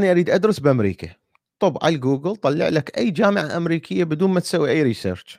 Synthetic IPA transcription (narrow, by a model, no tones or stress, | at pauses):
ʔaniʔaɾiːd̪ʔad̪ɾɪsbʔamɾḭːka | t̪ˤʊbʕa̰lɡuːɡɪlt̪ˤɑlːɪ̰ʕlakʔajːd͡ʒaːmɪʕaʔamɾiːkʰɪjːabɪd̪uːnmat̪sawːiʔajːɾisḛːɾˤt͡ʃ